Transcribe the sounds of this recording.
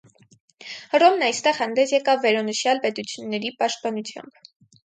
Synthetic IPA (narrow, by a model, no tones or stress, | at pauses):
rɔmnɑjst̪ɛʁhɑnd̪ɛsjɛkɑvːɛɾɑnəʃjɑlpɛt̪ut͡sʰjunːɛɾipɑʃt̪̚pɑnut͡sʰjɑ̰mb